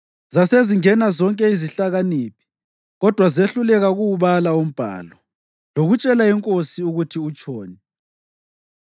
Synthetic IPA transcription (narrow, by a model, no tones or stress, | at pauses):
zaseziŋɛnazɔŋkʼɛiziɬaɣaniːpʰi̥ | ɣɔd̥ʱwazeɬulɛɣaɣuwuβalaum̩b̥ʱa̰ːlɔ | loɣut͡ʃʼɛlaiŋkʼosiuɣutʰiut͡ʃʼɔːnɛ